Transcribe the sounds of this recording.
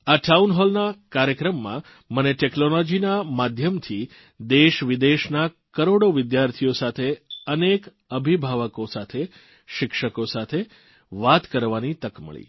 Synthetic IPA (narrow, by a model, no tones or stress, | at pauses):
aʈaunɦɔlnakaɾjəkɾəmːã̰ | məneʈeknolod͡ʒinamad̪ʱjəmt̪ʰi | d̪eʃʋɪd̪eʃna | kəɾoɽoʋɪd̪jaɾt̪ʰijosat̪ʰeənek | əbʱibʱaʋəkosat̪ʰe | ʃɪkʃəkosat̪ʰe | ʋat̪kəɾʋanit̪əkmə̰ɭḭ